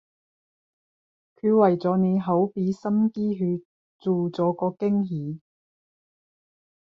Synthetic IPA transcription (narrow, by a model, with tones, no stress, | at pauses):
kʰyː˧wɐ˨˩jt͡sɔː˨˥ne˨˧jɦɐ˨˥wpiː˨˥sɐ˥mkiː˥ɦyː˧ | t͡suː˨t͡sɔː˨˥kɔː˧kɪ˥ŋɦiː˨˥